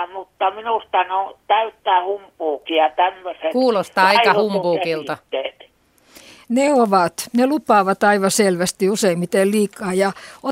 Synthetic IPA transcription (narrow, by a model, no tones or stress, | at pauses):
mut̪ːɑminust̪ɑnot̪æyt̪ːæːhumpuːkiɑt̪æmːøsekuːlost̪ɑːɑikɑhumpuːkilt̪ɑːeːt̪ | neoʋɑt̪nelupɑːʋɑt̪ɑiʋɑselʋæst̪iuseimmit̪elliːkːˑɑːjɑo